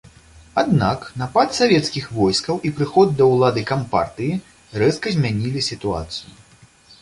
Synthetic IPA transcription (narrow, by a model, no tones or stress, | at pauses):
ad̪naknapat̪savʲɛt̪skʲixvɔjskɐwʔipɾɨxɔd̪̚ːɐwlˠad̪ɨkampa̰rt̪ɨji | rɛskɐzʲmʲanʲilʲisʲit̪ua̰t̪sɨju